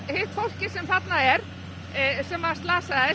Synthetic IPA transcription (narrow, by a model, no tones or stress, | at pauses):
hɪt̪fowl̥cɪ̥sɛmθat̪naɛɾ̥ | sɛmast̪laːsaðɪ